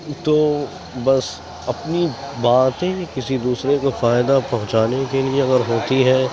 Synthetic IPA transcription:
t̪oː | bɐs | ɐpnibaːt̪ẽkɪsid̪uːsɾekofaːɪd̪apɐɦʊ̃t͡ʃaːnekelieɐɡəɾɦoːt̪iɦɛː

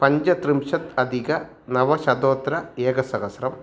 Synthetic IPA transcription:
pɐɲd͡ʑɐt̪rimʂɐt̪ɐd̪ʱiɣɐ | nɐʋɐɕɐd̪oːt̪ɾɐeːɡɐsɐɣɐsɾɐm

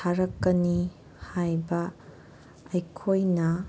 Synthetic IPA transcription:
aɾɐkːɐni | hajbɐ | ɐjkʰojnɐ

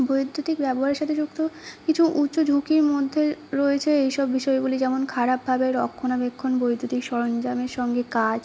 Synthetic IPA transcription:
bojd̪ʱːot̪ikbɛboɦaɾeɾʃat̪ʰed͡ʑukt̪okit͡ɕʰuʔutːɕod͡ʑʱukiɾmod̪ʱːeɾoet͡ɕʰeejʃɔbːiʃɔeɡulid͡ʑɛmonkʰaɾab̚bʱabeɾɔkʰːonabekʰːonbojd̪ʱot̪ikʃɔɾond͡ʑameɾʃɔŋɡekad͡ʑ

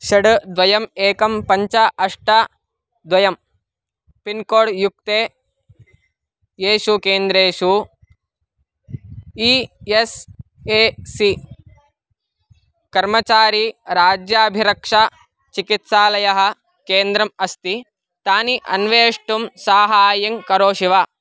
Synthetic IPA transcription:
ʃɐɽd̪ʋɐjɐmeːkɐmpɐɲt͡ʃɐʔɐʂʈɐ | d̪ʋɐjɐm | pinkoːɽjuk̚t̪eː | jeːʃukeːnd̪ɾeːʃu | ies | eːsi | kɐɾmɐt͡ʃaːɾiɾaːd͡ʒjaːbʱiɾɐkʂɐ | t͡ʃikit̪saːlɐjɐɦɐ̆ | keːnd̪ɾɐmɐst̪i | t̪aːniʔɐ̰nʋeːʂʈumsaːɦaːjɐŋkɐɾoːʃiʋaː

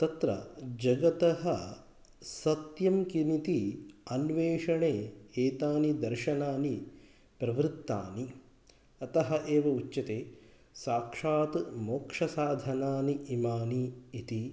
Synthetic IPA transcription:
t̪ɐt̪ɾɐ̰d͡ʒɐɡɐt̪ɐɦɐ | sɐt̪jɐmkinit̪iɐnʋeːʂɐɳeːeːt̪aːnid̪ɐɾʃɐnaːni | pɾɐʋɾɨt̪ːa̰ːni | ɐt̪ɐɦɐʔeːʋɐut͡ʃːɐt̪eː | saːkʂaːt̪moːkʂɐsaːd̪ʱɐnaːniːmaːniːt̪i

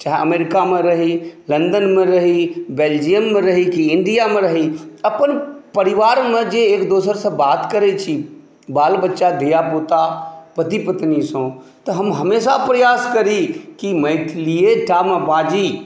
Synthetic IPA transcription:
t͡ʃaɦeɐmeːɾɪkamẽɾɐɦilɐ̃nd̪ənmẽɾɐɦibeːld͡ʒijəmːẽɾɐɦikiɪ̃ɳɖijamẽɾɐɦiɐpənpɐɾɪʋaːɾmẽd͡ʒeeːkd̪oːsəɾsɐ̃baːt̪kəɾet͡ʃʰi | baːlbətːʃad̪ʱijapot̪apɐt̪ipət̪nisõːt̪ɐɦɐmɦɐmeːsapɾɐjaːskɐɾikimɐːtʰlieʈaːmə̃pãːd͡ʒi

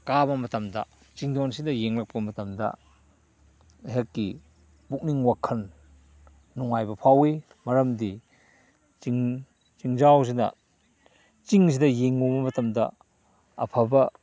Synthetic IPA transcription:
kabɐmɐtɐmdɐ̰ | t͡ʃiŋdonsidɐjeŋlɐk̚pɐmɐtɐmdɐ̰ | ɦekːi | buk̚niŋwakʰːɐnː | uŋajbɐpʰawi | mɐɾɐmdi | t͡ʃiŋ | t͡ʃiŋzaws̬inɐ̰ | t͡ʃiŋs̬idɐjeŋːubɐmɐtɐmdɐ̰ | ɐpʰɐbɐ

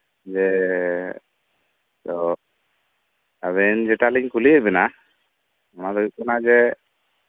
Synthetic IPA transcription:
d͡ʒɛ | t̪ɔ | aβɛnd͡ʒɛʈaliɲkulikɛʔ̪̚bɛna | ɔnad̪ɔiʔ̚kɔnad͡ʒɛ

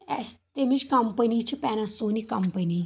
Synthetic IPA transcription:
ɛst̪emit͡ʃkɐmpənit͡ʃʰipɛnasonikɐmpəni

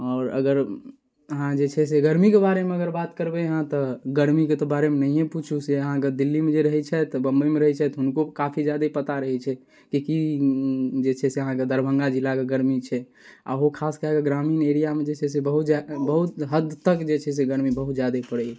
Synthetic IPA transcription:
ɔːɾə̰ɡəɾ | əɦãd͡ʒet͡ʃʰɛs̬eɡəɾmikebaɾemeəɡəɾbat̪kəɾbɛɦãt̪ɔɡəɾmiket̪ɔbaɾemenəɦijẽput͡ʃʰuseəɦãked̪ilːimed͡ʒeɾəɦɛt͡ʃʰɛt̪ɔbə̃mbəimeɾəɦɛt͡ʃʰɛt̪ɦʊnkokapʰid͡ʒjad̪epət̪aɾəɦɛt͡ʃʰɛ | kiki | d͡ʒet͡ʃʰɛseəɦãked̪ʱəɾbʱə̃ŋɡad͡ʒilːakeɡəɾmit͡ʃʰɛ | a̰ɦokʰaskeɦakeɡɾamiːneɾijamed͡ʒet͡ʃʰɛs̬ebəɦut̪abəɦut̪ɦəd̪t̪ːəkd͡ʒet͡ʃʰɛs̬eɡəɾmibəɦut̪̚d͡ʒjad̪epəɽɛ

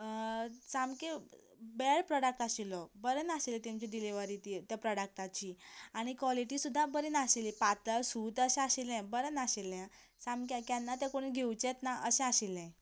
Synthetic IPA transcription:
samke | beɭpɾɔɽək̚ʈasilɔbəɾənaɕelet̪emt͡ɕiɖiliʋaɾiːt̪it̪japɾɔɽək̚ʈat͡ɕiːaɽ̃ikʋɔliʈisud̪ʱːabəɾinaɕelipat̪əsuːt̪əɕɛ̃aɕilɛ̃bəɾənaɕelja | samkakanːat̪ɛkoɽ̃ĩɡʱewt͡ɕet̪naʔəɕɛ̃aɕelɛ̃

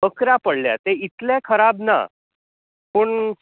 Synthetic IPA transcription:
əkɾapəɽlja̰t̪eit̪lɛ̃kʰəɾabna̰ | pəɳ

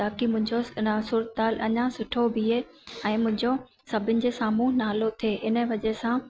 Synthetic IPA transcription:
aːkimʊ̃ɦɪ̃ɲd͡ʑosuːɾət̪̚aːlʔɐɲãsʊʈʰobʱie | ɛ̃ːmʊ̃ɦɪ̃ɲd͡ʑo | sɐbʱɪnɪ̆d͡ʑeːsaːmuːɦnaːlot̪ʰieːʔɪnə̆ʋɐd͡ʑesã

